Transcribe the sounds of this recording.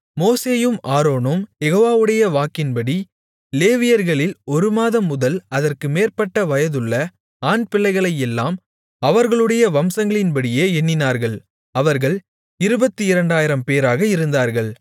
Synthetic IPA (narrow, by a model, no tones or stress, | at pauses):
moːseːjɯmaːɾoːnɯmjɛɣoːʋaːʋɯɽɐjɐʋaːkɪnpɐɽi | leːʋɪjɐɾɣɐɭɪlɔɾɯmaːðɐmːʊðɐlɐðɐrkɯmeːrpɐʈːɐʋɐjɐðɯɭːɐ | aːnpɪɭːɐɪɣɐɭɐjɛlːaːm | ɐʋɐɾɣɐɭɯɽɐjɐʋɐmsɐŋɡɐɭɪnpɐɽɪjeːɛnːɪnaːɾɣɐɭ | ɐʋɐɾɣɐɭ | ɪɾɯbɐt̪ːɯɪɾɐɳɖaːjɪɾɐmpeːɾaːɣɐɪɾɯnd̪aːɾɣɐɭ